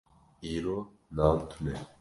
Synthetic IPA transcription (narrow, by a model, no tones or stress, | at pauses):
iːɾoː | naːnt̪ʰunɛ